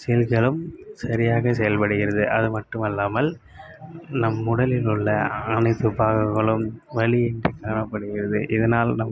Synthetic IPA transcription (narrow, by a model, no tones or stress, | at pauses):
sɛjɐlɣɐɭɯmsɐɾɪjaːɣɐsɛjɐlpɐɽɯɣɪɾɐðɯʔɐðɯmɐʈːɯmɐlːaːmɐl | nɐmːʊɽɐlɪlɯɭːɐɐnɐɪt̪ːɯpaːɣɐŋɣɐɭɯmʋɐɭɪɛndrikaːɳɐpːɐɽɯɣɪɾɐðɯ̰ʔɪðɐnaːlnɐm